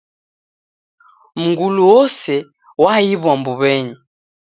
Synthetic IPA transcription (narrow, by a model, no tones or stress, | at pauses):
m̩ŋɡuluɔsɛ | waiβwambuβɛɲi